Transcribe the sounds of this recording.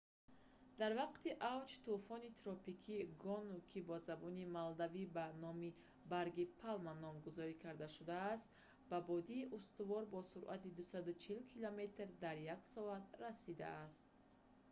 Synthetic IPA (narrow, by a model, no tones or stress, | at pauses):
d̪aɾvaqt̪iʔavt͡ʃt̪ufɔnit̪ʰɾɔpikʰiɡɔnukʰibɔzabɔnimald̪avibanɔmi | baɾɡipʰalmanːɔmɡuzɔɾikʰaɾd̪aʃud̪aːst̪ | babɔd̪iːʔust̪uvɔɾbɔsuɾʔa̰t̪id̪usad̪ut͡ʃʰilkʰilome̞t̪rd̪aɾjaksɔat̪ɾasid̪a̰ːst̪̚